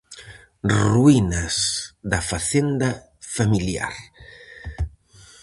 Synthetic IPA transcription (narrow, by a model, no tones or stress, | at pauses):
ruinɐsðɐfaθend̪ɐ | familja̰ɾ